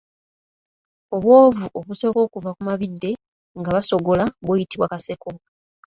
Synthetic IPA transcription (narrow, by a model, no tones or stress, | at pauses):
o̞βwo̞ːvuʔo̞βuso̞ko̞ːkuvakumaβidːe̞ | ŋɡaβaso̞ɡo̞laβweːjitiβwakase̞ko̞